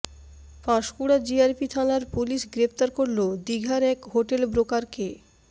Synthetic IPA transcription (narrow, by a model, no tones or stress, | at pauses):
faʃkuɽad͡ʑiaɾpit̪ʰalaɾpuliʃɡɾept̪aɾkoɾlod̪iɡʱaɾɛkɦoʈelbɾokaɾke